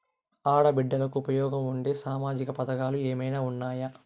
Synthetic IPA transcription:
aːɽɐbiɖːɐlɐkuːpɐjɔːɡɐmuɳɖe̞ːsaːmaːd͡ʒikɐpɐd̪ɐkaːlueːmɐjnaːunːaːjɐ

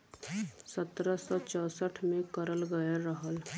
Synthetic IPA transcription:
sət̪ɾəsɔt͡ʃɔːsəʈʰmẽkəɾəlɡəjeɾəɦəl

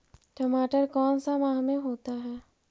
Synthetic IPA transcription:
ʈəmaːʈəɾkɔːnsamãːɦmẽɦoːt̪aɦɛː

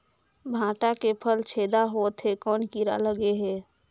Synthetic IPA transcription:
bʱãːʈakepʰəlt͡ʃʰeːd̪aɦoːt̪ɦekɔːnkiɾa̰ləɡeɦɛː

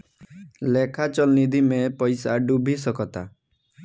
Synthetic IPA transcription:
lekʰat͡ʃɔlnid̪ʱimepɔjsaɖubʱisɔkɔt̪a̰

